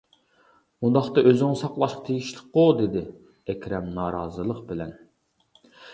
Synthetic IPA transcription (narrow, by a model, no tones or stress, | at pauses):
und̪ɑχt̪ɑʔøzɪŋɨsɑqlˠɑʃqɑ̥t̪ʰeɡʲiʃlˠɪqːod̪ed̪ɪ | ɛkʲɾɛmnɑːɾɑːzɨlˠəqbɪlɛn